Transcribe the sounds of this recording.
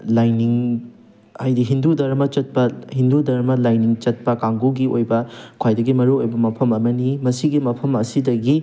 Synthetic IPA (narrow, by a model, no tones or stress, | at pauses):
lajniŋ | ajdiɦindudɐɾmɐt͡ʃɐt̚pɐhindudɐɾmɐlajniŋt͡ʃɐt̚pɐkaŋɡuɡiojbɐkʰwajdɐɡimɐɾuojbɐmɐpʰɐmɐmɐnimɐsiɡimɐpʰɐmɐsidɐɡi